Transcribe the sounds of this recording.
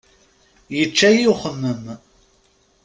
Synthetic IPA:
jət͡ʃːæjuχənːən

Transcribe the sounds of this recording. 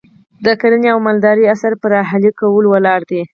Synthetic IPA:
d̪əkaɾəneawmald̪ɑɾiasaɾpəɾɑɦalikawəlwəlɑɾd̪i

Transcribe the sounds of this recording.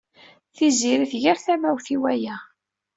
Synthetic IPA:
θiziɾiθʝaɾθæmæwθiwæjæ

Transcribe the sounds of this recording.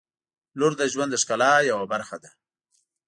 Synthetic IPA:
lʊɾd̪aʒwand̪əʂkalajawabaɾxad̪a

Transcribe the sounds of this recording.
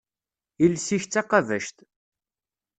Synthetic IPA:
ilsiç̪t͡sːɑqɑvæʃt̪

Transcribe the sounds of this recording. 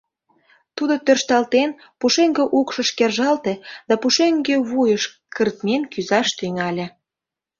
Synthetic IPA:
t̪ud̪ot̪ørʃt̪ɑlt̪en | puʃeŋɡĕʔukʃə̆ʃkerʒɑlt̪ed̪ɑpuʃeŋɡeβujəʃ | kə̆rt̪̚menkyzɑʃt̪yŋɑlʲĕ

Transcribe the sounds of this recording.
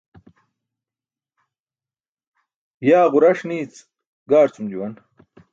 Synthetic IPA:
jaːʁuɾɐʂniːt͡s | ɡaːɾt͡sumd͡ʑuwɐn

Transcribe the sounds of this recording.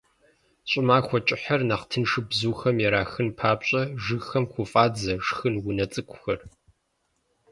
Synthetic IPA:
ɕʼɪmaːxʷɔt͡ʃʼɪħɐrnaqtʰɨnʂɨbzuːxɐmjɛɾaːxɨnpʰaːpɕʼɐʒɨxɐmxʷʊfʼaːd͡zɐʂxɨnwʊnɐt͡sʼɨkʷʼʰʊxɐr

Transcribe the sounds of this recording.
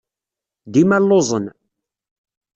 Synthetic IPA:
d̪imælːozˤən

